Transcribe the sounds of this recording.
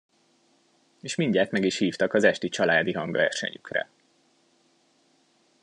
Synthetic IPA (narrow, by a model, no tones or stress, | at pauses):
eːʃmiɲɟaːt̪mɛɡiʃhiːft̪ɒkɒzɛʃt̪it͡ʃɒlaːd̪iɦɒŋɡʋɛrʃɛ̰ɲykrɛ̰